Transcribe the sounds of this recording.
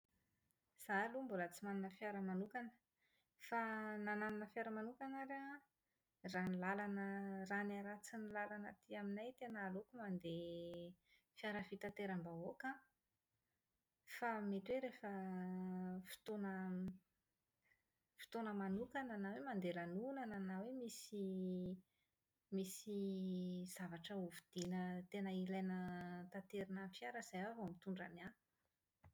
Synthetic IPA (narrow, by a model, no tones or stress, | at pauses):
z̥alumbolət͡simaninəfjaɾəmanukanə̥ | fanananunəfjaɾəmanukanaɾa | ranilalanəranaɾat͡sinilalanat̪iaminajt̪enalokumand̪e | fiaɾəfit̪at̪eɾambaoka | famet̪weɾefə | fi̥t̪onə | fi̥t̪onəmanukananawemand̪elanunananawemisi | misi | z̥avaʈ͡ʂəuvud̪̥inət̪enəilajnət̪at̪eɾinəfijaɾəz̥ajavomit̪uɳɖ͡ʐa̰nia